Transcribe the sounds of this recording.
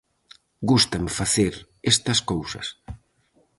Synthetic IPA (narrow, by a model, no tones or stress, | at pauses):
ɡust̪ɐmfaθeɾ | est̪ɐskowsɐ̰s